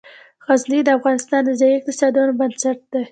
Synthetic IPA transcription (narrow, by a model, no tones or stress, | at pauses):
ɣazlid̪əafɣɑnɪst̪ɑnd̪əzajiɪq̚t̪ɪsɑd̪unobansaʈ̚d̪e